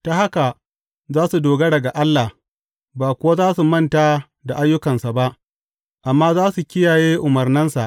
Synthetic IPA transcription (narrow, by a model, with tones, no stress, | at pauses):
ta˦ha˦ka˨ | zaː˦su˨doː˨ɡɐ˦ɽɐ˨ɡa˨ʔa˦lːa˨h | baː˨kʷʊ˦wa˦zaː˦su˨mɐ˦˨nta˦ | da˨ʔa˦jːʊ˦kɐ˨nsa˨ba˦ʔ | ʔa˨mːaː˦zaː˦su˨kʲɪ˦jaː˨jeː˦ʔʊ˨mɐ˨rnɪ˦nsa˨ʔ